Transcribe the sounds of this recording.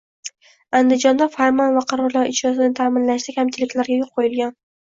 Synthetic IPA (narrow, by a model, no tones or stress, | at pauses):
and̪ɪd͡ʒɒnd̪afaɾmɒnvaqʰɑɾɒɾlˠaɾɪt͡ʃɾɒsɪnɪt̪ʰamɪnlaʃt̪akʲʰamt͡ʃʰɪlɪkʲlaɾɡʲajoq̚qʰojɪlˠɡʲan